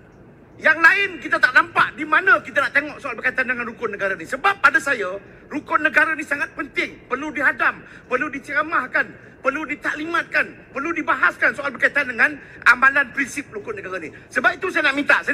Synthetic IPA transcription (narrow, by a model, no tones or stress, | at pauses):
jaŋlaɪnkit̪at̪aʔnampaʔdimanə̃kit̪anaʔt̪eŋɔʔsoalbərkait̪andəŋanrukʊt̚nəɡaɾanisəbap̚ːadasajə | rukʊnəɡaɾanisaŋat̪̚pənt̪ɪŋpərludiɦadam | pərludit͡ʃəɾamahkan | pərludit̪aʔlimat̪̚kanpərludibaɦaskansoalbərkait̪andəŋãn | amalanpɾinsɪp̚ɾukʊnəɡaɾanisəbap̚it̪usajanaʔmint̪a̰ʔsa